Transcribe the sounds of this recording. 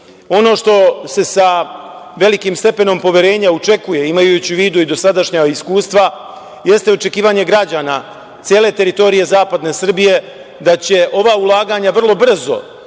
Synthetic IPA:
o̞no̞ːʃt̪o̞se̞sa | ʋe̞likimst̪e̞pe̞no̞mpo̞ʋjeɾe̞ːɲaut͡ʃe̞kuje̞imajut͡ɕiʋiːd̪uid̪o̞sad̪aʃɲaiskuːst̪ʋa | je̞st̪eo̞t͡ʃe̞kiːʋaɲe̞ɡɾad͡ʑaːna | t̪sje̞ːle̞ːt̪e̞ɾit̪o̞ɾije̞zaːpad̪ne̞sr̩bije̞ | d̪at͡ɕe̞ʔo̞ʋaːulˠaːɡaɲaʋr̩lˠo̞br̩zo̞̰

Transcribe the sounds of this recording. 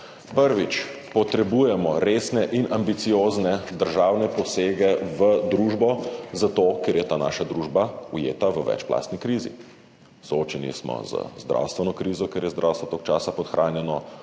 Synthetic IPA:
pəɾʋit͡ʃ | pɔt̪ɾɛbuːjɛmɔɾesnɛʔinambit̪sijoːznɛd̪əɾʒawnɛpɔseːɡɛʋəd̪ɾuːʒbɔzat̪oːkeːɾjɛt̪aːna̰ʃad̪ɾuʒbaujḛːt̪aʋəʋɛ̰t͡ʃpla̰ːst̪nikɾiːzḭ | sooːt͡ʃɛnḭsmɔ̰z̥ə̰zd̪ɾʔa̰wst̪ʋɛnɔkɾiːzɔkeːɾjɛzd̪ɾawst̪ʋɔt̪oːk̚t͡ʃaːsapɔt̪xɾʔaːnjɛnɔ

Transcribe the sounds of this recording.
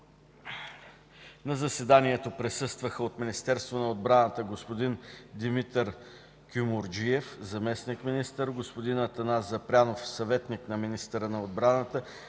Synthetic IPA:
nɐzɐsɛd̪aniɛt̪opɾɛsɤst̪vəxəot̪minist̪ɛɾst̪vonɐod̪̚bɾanət̪əɡospod̪ind̪imit̪əɾ | kʲumoɾd͡ʒiɛfzɐmɛsnikminist̪əɾɡospod̪inət̪ɐnazɐpɾʲanofsɐvɛt̪niknɐminist̪əɾənɐod̪̚bɾanət̪ə

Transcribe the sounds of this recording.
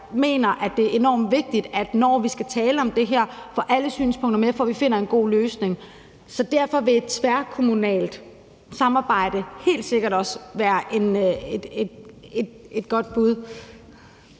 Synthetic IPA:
me̝̰ːnɐʔæd̥e̝e̝nɒ̰ːmʋe̝ɡ̥̚d̥id̥æd̥nɒːʋisɡ̥æt͡sʰɛːləɒ̽md̥e̝ɦæɐ̰fɒʔæləsy̰ːnspʰɔ̽ŋ̰d̥ɐmefɒʋife̝n̰ɐe̝nɡ̥o̝̰ːløːsne̝ŋ | sɒ̽d̥æɐ̰fɒ̽ʋe̝e̝d̥t͡sʰʋæɐkʰo̝munɛ̰ːld̥ | sɑ̈mɑ̈ːb̥ɑ̈ɪ̰d̥əhe̝̰ːld̥se̝ɡ̥ɐɾɒ̽sʋæːɐʔe̝ned̥ed̥ed̥e̝d̥̚ɡ̥ɒ̽d̥̚b̥uð̞ˠ

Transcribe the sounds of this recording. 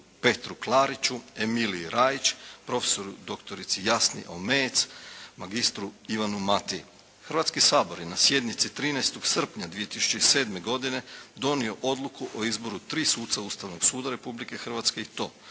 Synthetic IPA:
pe̞t̪ɾuklˠaːɾit͡ʃuemiliɾaːjit͡ʃpɾo̞fe̥so̞ɾud̪o̞kt̪oɾit̪sijasnḭʔo̰met̪smaɡist̪ɾuiʋanumat̪i | xr̩ɾʋat̪skisaːbo̞ɾjenasje̞d̪nit̪sit̪ɾiːnajst̪o̞ɡ̥sr̩pɲad̪ʋijet̪isu̥t͡ʃeise̞ːd̪me̞ɡo̞d̪ine̞d̪o̞nio̞ʔo̞d̪lˠukuʔoizbo̞ɾut̪ɾiːsuːt̪t̪saust̪aʋno̞ɡ̥suːd̪aɾe̞publike̞xr̩ʋat̪ske̞it̪o̞̰ː

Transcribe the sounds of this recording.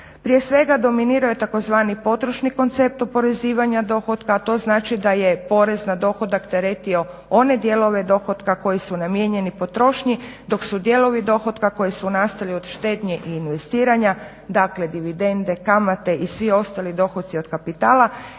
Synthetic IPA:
pɾije̞sʋe̞ɡad̪o̞miniːɾajet̪ako̞zʋaːnipo̞t̪ɾoʃniko̞nt̪se̞p̚t̪opo̞ɾe̞ziːʋaɲad̪o̞xot̪kaːt̪o̞ːznaːt͡ʃid̪aje̞po̞ɾe̞znad̪o̞xo̞d̪akt̪eɾet̪io̞ | o̞ne̞d̪jelo̞ʋe̞d̪o̞xo̞d̪kako̞jisunamje̞ɲe̞nipo̞t̪ɾo̞ʃɲid̪o̞ksud̪je̞lo̞ʋid̪o̞xo̞t̪kako̞jisunast̪alio̞d̪̥ʃt̪e̞ːd̪ɲeʔiːnʋe̞st̪iːɾaɲa | d̪akle̞d̪iʋid̪e̞nd̪e̞kamat̪e̞ʔisʋio̞st̪alid̪o̞xot̪t̪sio̞d̪̥kapit̪aːla

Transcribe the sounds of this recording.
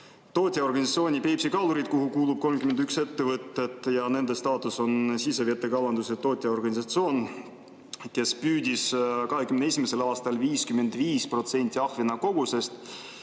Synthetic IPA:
t̪o̞ːt̪ʲˑjɑo̞rɡɑnʲisɑt̪sio̞ːnʲipe̞jpsikɑluɾid̪̥̚koɦukuːlub̥̚ko̞lmkyme̞nd̪ykse̞t̪ːe̞vɤt̪ːˑe̞t̪ːˑjɑne̞nd̪e̞st̪ɑːt̪ˑuso̞nsiseviɑt̪ːˑe̞kɑlɑnd̪uset̪o̞ːt̪ʲˑːjɑo̞rɡɑnʲisɑt̪sio̞ːn | ke̞spyːd̪̥ʲiskɑɦe̞kymnee̞sʲimese̞lɑːst̪ɑlviːskyme̞nd̪viːspro̞t̪se̞nʲt̪ʲːiɑhvinɑko̞ɡ̥use̞st̪

